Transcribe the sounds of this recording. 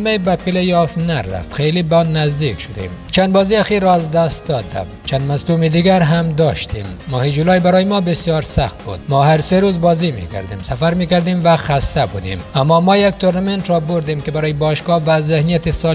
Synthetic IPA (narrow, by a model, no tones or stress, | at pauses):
mejbæpilejɒfnærːæ̰ft̪χejlibænːæzd̪ikʃʊd̪ḛm | t͡ʃʰand̪bɒziæxiɾɔazd̪æst̪̚d̪ɒd̪æ̰mt͡ʃʰand̪maslumid̪iɡæɾɦamd̪ɒʃt̪imːɔːhid͡ʒulɒjbaɾɒːjimɔbesijɒɾsaχt̪̚bṵd̪mɔhaɾseɾuzbɒzimḭkʰa̰ɾd̪imsafaɾmikaɾd̪imvæxast̪abud̪ḭmamːɒmɔjak̚t̪ʰoɾnament̪ɾɔbʊɾd̪imkʲɪbaɾɔjibɒʃɡɒvæzehnijat̪isɒl